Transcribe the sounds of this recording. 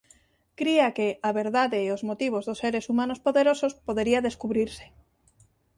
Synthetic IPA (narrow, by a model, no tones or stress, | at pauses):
kɾiakeʔaβeɾðaðeːozmot̪iβ̞ozðoseɾesumãnospoðeɾosospoðeɾiaðeskuβɾiɾse̥